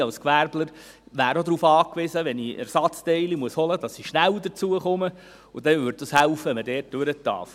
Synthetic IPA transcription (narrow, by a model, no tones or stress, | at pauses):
ɑlskʋæɾbləɾ | ʋæːɾod̪ɾuːfɑːkʋɪzəʋɛniɛ̰ɾsɑt͡st̪ɛɪlimuəshɔlədɑsːiʃnæld̪əɾt͡suəχʊmə | ʊd̥̪ɛvʏɾd̚d̥̪əshælfəɛmədɛːt̚d̥øɾətːɑ̰ɾf